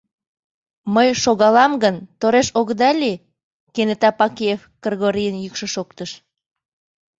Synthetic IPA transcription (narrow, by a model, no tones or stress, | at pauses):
məjʃoɣɑlɑmɡənt̪oɾeʃoɣd̪ɑlʲi | kenet̪ɑpɑkiefɡ̥rɣoɾijənjykʃəʃokt̪əʃ